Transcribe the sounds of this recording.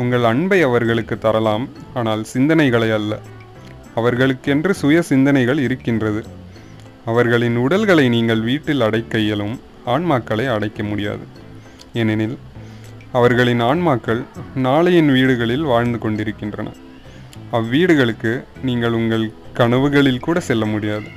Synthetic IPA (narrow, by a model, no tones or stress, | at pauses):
ʊŋɡɐɭɐɳbɐɪɐʋɐɾɣɐɭɯkːɯt̪ːɐɾɐlaːmaːnaːlsɪnd̪ɐnɐɪɣɐɭɐɪɐlːɐ̰ | ɐʋɐɾɣɐɭɯkːɛndrɯsʊjɐsɪnd̪ɐnɐɪɣɐɭɪɾɯkːɪndrɐðɯ | ɐʋɐɾɣɐɭɪnʊɽɐlɣɐɭɐɪniːŋɡɐɭʋiːʈːɪlɐɽɐɪkːɐjɐlɯm | aːɳmaːkːɐɭɐɪɐɽɐɪkːɐmʊɽɪja̰ːðɯ | ɛnɪnɪl | ɐʋɐɾɣɐɭɪnaːɳmaːkːɐɭnaːɭɐjɪnʋiːɽɯɣɐɭɪlʋaːɻnd̪ɯkɔɳɖɪɾɯkːɪndrɐ̰nʔɐ̰ | ɐʋːiːɽɯɣɐɭɯkːɯniːŋɡɐɭʊŋɡɐɭkɐɳɐʋɯɣɐɭɪlkuːɽɐsɛlːɐmʊɽɪjaːðɯ